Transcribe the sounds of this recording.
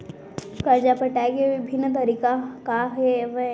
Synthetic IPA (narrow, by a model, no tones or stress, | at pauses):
kəɾd͡ʒapəʈakeʋɪbʱɪnːt̪ɐɾiːkakaɦeʋe